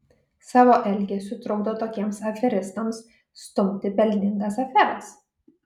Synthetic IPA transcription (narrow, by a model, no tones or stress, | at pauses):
sɑːʋoːʔɛlʲɡʲesʊt̪ɾɔʊd̪oːt̪oːkʲiɛmsɐfʲɛɾʲɪst̪ɐmsː | t̪ʊmʲt̪ʲɪpʲɛlʲnʲɪŋɡ̪ɐsɐfʲɛɾɐs